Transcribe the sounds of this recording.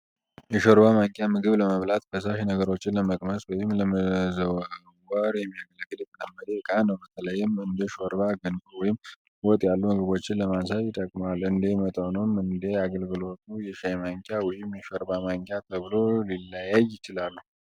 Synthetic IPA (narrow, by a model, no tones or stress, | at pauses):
jɛʃoɾbamaŋkʲʼjamɨɡɨβləməβlat̪bəsaʃnəɡəɾo̞t͡ʃːɪnləməkʼməswɔjɪmləməzəw | wəɾjɛmːijaɡələɡːɨljɛt̪ʰələmːəlekʼanəwbət̪ʰələjːɪmɨnd̪əʃoɾbaɡɨnkʼwɔjɪm | wɔt̪ʼjalːumɨɡɨβo̞t͡ʃːɪnləmansajɪt̪ʼəkʼmalɨnd̪emət̪ʼənəwmɨnd̪eaɡəlɡɨlo̞t̪ʼujɛʃajmaŋkʲʼjawɔjɪmjɛʃoɾbamaŋkʲʼjat̪ʰəβɨlo̞lilːajajːɪt͡ʃɪlalːuh